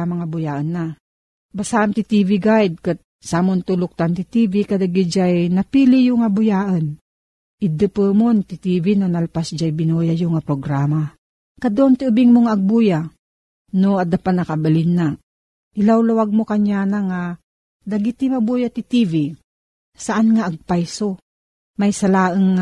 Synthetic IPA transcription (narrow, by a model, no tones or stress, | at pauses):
maŋabʊjaʔənːa | basaʔamt̪it̪iviɡajd̪̚kɨt̪̚ | samont̪ulʊk̚t̪ant̪it̪ivikad̪aɡid͡ʒajnapilijʊŋabʊjaʔən | id̪ɨpəmont̪it̪ivinonalpasd͡ʒajbinojajʊŋapɾoɡɾama | kad̪oʔnt̪iubiŋmoŋaːɡ̚buja | noad̪apat̪nakabalinːa | ʔɪlawlawaɡ̚mokaɲjaːnaŋa | d̪aɡit̪imabujat̪it̪ivi | saʔanŋaʔːɡ̚pajso | majsalaːʔəŋ